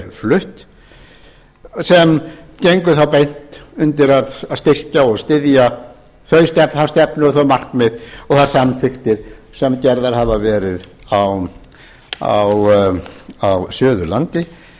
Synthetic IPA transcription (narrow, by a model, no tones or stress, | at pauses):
flʏht̪ | sɛmcejŋkʏθawpejn̥t̪ʏnt̪ɪɾaðaðst̪ɪr̥caɔɣst̪ɪðja | θœɥst̪ɛpnast̪ɛpnʏɾɔθɔmar̥kmɪðɔɣθaɾ̥samθɪxt̪ɪɾ̥ | sɛmcɛɾðaɾhavavɛːɾɪðaw | a̰w | awsjœːðʏlant̪ɪ